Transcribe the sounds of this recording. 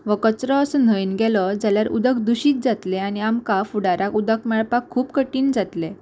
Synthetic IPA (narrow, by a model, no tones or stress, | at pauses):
ʋəkət͡sɾəːsən̤əjinɡɛlɔd͡zaljaɾṵd̪əkd̪uɕiːt̪̚d͡zat̪leañiamkafuɽaɾakud̪əkmɛɭpakʰːuːpkəʈiːnd͡zat̪le